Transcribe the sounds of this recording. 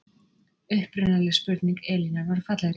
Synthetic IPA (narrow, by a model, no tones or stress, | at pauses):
ʏhpɾʏnalɪspʏɾt̪niŋkɛːlinaɾvaɾ̥fat̪laɾ